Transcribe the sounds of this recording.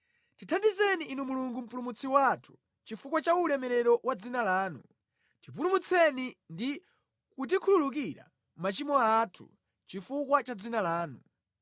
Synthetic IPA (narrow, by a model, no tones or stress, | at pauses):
titʰandizɛniʔːnumuluŋɡum̩pulumut͡sʰiwatʰu̥ | t͡ʃifukwat͡ʃaulɛmɛɾɛɾɔʔwad͡zinalaːnṵ | tip̬ulumut͡sʰɛnindi | kut̬ikʰululuk̬iɾa̰ | mat͡ʃimɔatʰṵ | t͡ʃifukwat͡ʃad͡zinalaːnu